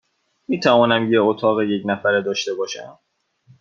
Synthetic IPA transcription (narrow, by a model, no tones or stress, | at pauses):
miːt̪ʰævɒːnæmjeot̪ʰɒːɣejecnæfæɾed̪ɒːʃt̪e̞bɒːʃæ̰m